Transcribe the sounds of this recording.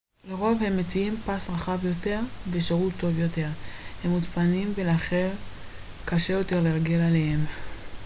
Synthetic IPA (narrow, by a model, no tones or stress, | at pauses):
leʁo̞vhe̞mːet͡siimpasʁaχavjo̞te̞ʁveʃeʁutʰːo̞vjo̞te̞ʁhemːutpanimveleaχeʁ | kaʃe̞jo̞te̞ʁleʁɡe̞lalehem